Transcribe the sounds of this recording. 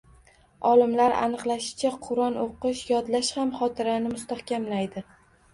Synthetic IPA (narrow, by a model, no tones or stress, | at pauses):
ɒlɪmlaɾa̰nɨqlˠaʃɪ̥t͡ʃʰaqʰʊɾɒnoqɨʃjɒd̪laʃhamχɒt̪ʰɪɾanɪmʊst̪ahkʲamlajd̪ɪ